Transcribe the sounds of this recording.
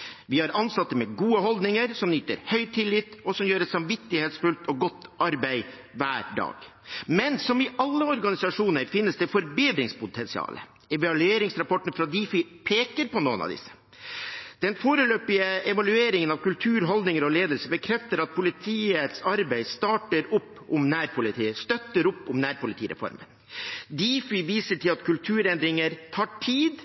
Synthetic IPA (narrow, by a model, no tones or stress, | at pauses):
ʋɪhɑɾʔɑnsɑt̪ːəmɛɡuːəɦɔld̪nɪŋəɾsɔmnyːt̪ə̰ɾhœʏt̪ʰɪlːɪt̪ːɔsɔmjøːɾɛsɑmʋɪt̪ːɪheːt̪sfʉlt̪ʰɔɡɔt̪ːʔɑɾbæɪ | ʋæːɾɖɑ̰ːɡ̥ | mɛnsɔmɪʔɑlːəɔɾɡɑnɪsɑʂuːnəɾfɪnːəsd̪ɛfɔɾbeːd̪ɾɪŋspʊt̪ʰɛnsɪɑ̰ːlə̰ | ɛʋɑlʉeːɾɪŋsɾɑpɔʈːn̩fɾɑd̪ifɪpʰeːkəɾpɔnoːənɑ̰ʋd̪ɪ̰sːə̥ | d̪̥ɛnfoːɾəløːpɪəɛʋɑlʉeːɾɪŋənɑʋkʉlt̪ʰʉːɾɦɔld̪nɪŋəɾɔleːd̪əlsəbəkʰɾɛft̪əɾɑt̪̚pʰʊlɪt̪ʰiːət̪sɑɾbæɪst̪ɑːʈəɾʊpːʊmnæːɾpʰʊlɪt̪ʰiːəst̪œt̪ːəɾʊpːʊmnæːɾpʊlɪt̪ʰiːɾʔɛ̰fɔ̰ɾmə̰n | d̪iːfɪʋiːsəʈɪlɑt̪kʉlt̪ʰʉːɾɛnd̪ɾɪŋəɾt̪ʰɑːʈʰiːd̪